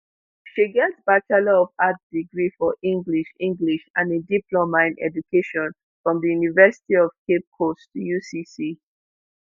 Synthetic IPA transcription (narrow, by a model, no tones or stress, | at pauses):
ʃiɡɛtb̥atalɔɔvat̚diɡɹifɔʔĩŋɡliʃĩŋɡliʃãnediplomãɪ̃nɛ̰d͡ʒukʰeʃɔ̃n | fɹɔ̃mðəjunivɛsi̥tiɔv̥kʰep̚kʰostʰujusisi